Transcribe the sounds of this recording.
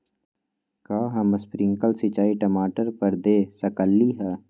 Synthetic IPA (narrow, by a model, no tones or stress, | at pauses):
kaːɦɐməspɾɪ̃ŋkəlsit͡ʃaːiʈɐmaːʈəɾpɐɾd̪eːsɐkəlːiɦɛː